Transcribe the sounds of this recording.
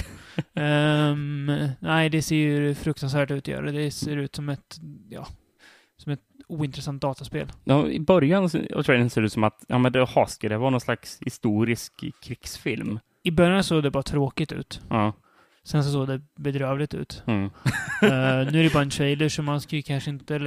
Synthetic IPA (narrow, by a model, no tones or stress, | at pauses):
næɪd̪ɛseːjɵfɾɵk̚t̪ans̬væːʈʉ̟ːt̪ɔjœ̰ːɾaəd̪ɛseːɾʉ̟ːt̪sɔmɛt̪jɑ̰ː | sɔmɛt̪uːɪnt̪ɾɛsant̪̚d̪ɑːt̪aspeːljɑɪ̰bœɾjansɔ̰t̪ʰɾɛɪd̪ənseːd̪ʉ̟ːt̪sɔmat̪jɑ̰ːmɛnd̪ɛhɑːskad̪ɛhvɑːnɔnslakshɪst̪uːɾɪskʰːɾɪksfɪlm | ɪbœɾjansoːɡd̪ɛbɑːɾat̪ʰɾoːkɪt̪ʉ̟ːt̪ɑ | sɛnsɔs̬oːɡd̪ɛbɛd̪ɾœːvlɪɡt̪ʉ̟ːt̪ | ʉ̟ːæɾjbɑːɾaɛnʃʰɾɛjləʂɔmhanskajɵkʰanʂəɪnt̪ə